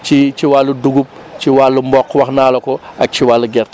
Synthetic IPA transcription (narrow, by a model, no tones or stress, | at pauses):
t͡ʃit͡ʃiwalːuduɡup̚t͡ʃiwaːlːumbɔqːwɐxnaːlɐkɔɐk̚t͡ʃiwaːlːuɡɛrt